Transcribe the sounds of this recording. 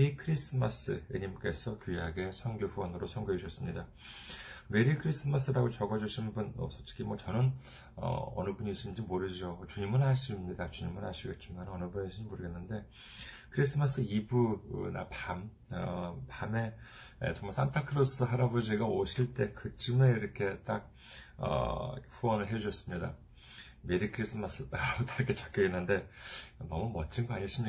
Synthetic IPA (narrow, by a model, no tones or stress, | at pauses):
ɾikʰɯɾis͈ɯmas͈ɯ̰eɲimk͈e̞sʰʌkjujaɡe̞sʰʌŋɡjoɸuʌnɯɾosʰʌŋɡoiɕʰʌs͈ɯmɲida | me̞ɾikʰɯɾis͈ɯmas͈ʰɯɾaɡot͡ɕʌɡʌd͡ʑuɕʰinbunʌ̰sʰot͡ɕ͈ʰi̥kʰimwʌt͡ɕʌnɯn | ʌ̰ʌ̰nɯbuɲiɕʰind͡ʑimoɾɯd͡ʑot͡ɕuɲimɯnaɕ͈ʰimɲidat͡ɕuɲimɯnhaɭɕʰiɡe̞t̚t͡ɕ͈imanʌnɯbuniɕʰimoɾɯɡe̞nːɯnde̞ | kʰɯɾis͈ʰɯmas͈ɯibuna̰pam | ʌpame̞̰t͡ɕoŋmaɭsʰantʰakʰɯɾos͈ɯɦaɾabod͡ʑiɡaoɕʰiɭt͈e̞kɯt͡ɕ͈imeiɾʌkʰe̞t͈ak̚ | ʌ̰ɸuʌnɯɭɦe̞uɕʰʌs͈ɯmɲida̰ | me̞ɾikʰɯɾis͈ʰɯmas͈ɯtaot͈ak͈ʰːet͡ɕḁk͈ʌɡe̞nːɯnde̞nʌmumʌt͡ɕʰinɡʌaɲiɕ͈imi